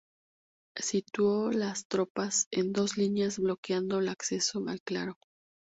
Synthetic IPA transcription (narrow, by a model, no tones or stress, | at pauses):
sit̪wo̞last̪ɾo̞pase̞nd̪o̞zlinjazβlo̞kjand̪o̞elakse̞so̞a̰lkla̰ɾo̞